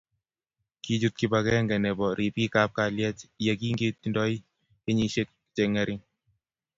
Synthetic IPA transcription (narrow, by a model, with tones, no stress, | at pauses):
kid͡ʒu˦t̪̚kipakɛ˦ŋɡɛ˨nɛ˨bɔ˨ɾi˨pi˦kap̚ka˨ljɛ˦tjaki˦ŋɡe˦t̪ndɔ˦i | e˦ɲi˦ʃe˦k̚ | tɛ˨ŋɛɾɪ˦ŋ